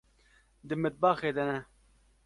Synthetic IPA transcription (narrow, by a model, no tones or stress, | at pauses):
d̪ɨmɪt̪̚baːxeːd̪ɛnɛ